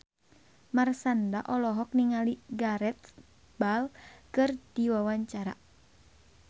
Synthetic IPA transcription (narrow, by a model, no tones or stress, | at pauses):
marsandaʔɔlɔɦɔk̚niŋaliɡaɾɛt̪̚ | balkɨrd̥iwawaɲt͡ʃaɾa